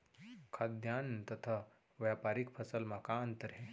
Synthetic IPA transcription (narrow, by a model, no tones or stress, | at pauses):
kʰad̪jaːnt̪ɐt̪ʰa | ʋjapaːɾikpʰɐsəlmakaɐnt̪əɾɦẽ